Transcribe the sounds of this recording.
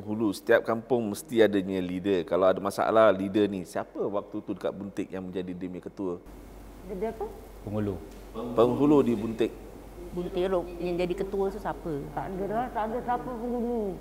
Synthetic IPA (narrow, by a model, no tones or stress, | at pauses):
ŋɦulusə̥t̪iap̚kampʊŋməst̪iadaɲəlidəkalawadamasa̰ʔa̰lahlidənisiapəwak̚t̪ut̪udəka̰t̪̚bunt̪ɪk̚jaŋməɲd͡ʒadidəməkət̪uə | dədət̪u | pəŋulu | pəŋɦuludibunt̪ɪk̚ | bunt̪ɪʔloʔ̚jad͡ʒadikət̪uwət̪usapət̪a̰ʔnəɡəɾat̪aʔdəsapəpəŋulu